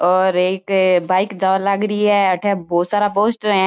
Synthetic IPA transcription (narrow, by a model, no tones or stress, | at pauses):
ɔːɾeːkbaːɪkd͡ʒaːʋaləɡɾəiɦɛɐʈʰebɔːt̪saːɾapoːsʈɦɛ̃